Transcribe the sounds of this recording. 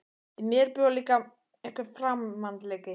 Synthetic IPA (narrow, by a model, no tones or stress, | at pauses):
mjɛɾpʏaliːka | ɛhkɪɾfɾamːant̪lɛːkɪ